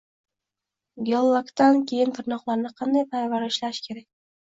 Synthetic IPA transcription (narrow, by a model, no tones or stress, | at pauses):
ɡʲolˠːakt̪ankʲʰe̞jɪnt̪ʰɪɾnɒqlˠaɾnɪqʰɑnd̪ajpʰaɾvaɾɪɪʃlaʃkʲʰe̞ɾak̚ʲ